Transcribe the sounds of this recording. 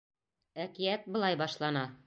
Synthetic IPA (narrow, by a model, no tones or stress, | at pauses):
ækijæt̪̚bɤ̆lˠɑjbɒʃlˠɑnɑ